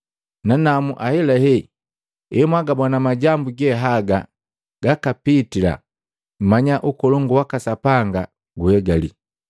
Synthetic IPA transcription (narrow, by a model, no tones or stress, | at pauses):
nanamuʔahɛlɛhɛ | ɛmwaɡabɔnamaɟambuɡɛɦaɡa | ɡ̥akapitila̰ | m̩maɲaʔukɔlɔŋɡuwakasapaŋɡa | ɡuhɛɡalḭ